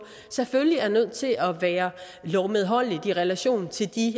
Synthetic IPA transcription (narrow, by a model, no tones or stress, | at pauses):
seføljiæɐnøð̞̰ˠt͡sʰe̝lʔɒ̽ʋæːɐ | lɒʊmeð̞ˠɦɒ̽l̰id̥iʁɛlæɕo̝̰ːnt͡sʰe̝ld̥i